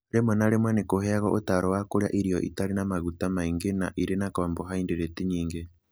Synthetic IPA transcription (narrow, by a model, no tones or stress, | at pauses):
ɾemwɛnaɾemwanekoɦɛaɣɔʔotaɾɔwakoɾja̰ʔiɾijɔʔḭtaɾenamaɣutamaiŋɡena̰ʔiɾenakɔːmbɔɦaindeɾetiɲiːŋɡe